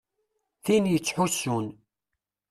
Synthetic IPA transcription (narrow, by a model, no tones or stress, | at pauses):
θinjət͡sːħusːun